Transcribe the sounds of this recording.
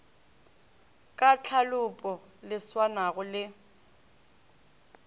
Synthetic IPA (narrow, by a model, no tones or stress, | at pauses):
kʼat͡ɬʰalʊpʼɔ | lɪswanaɣʊlɪ